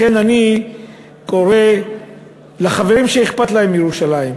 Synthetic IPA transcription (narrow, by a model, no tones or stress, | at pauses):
kenani | ko̞ʁe | laχave̞ʁimʃeiχpat̪lahe̞mjeʁuʃalaim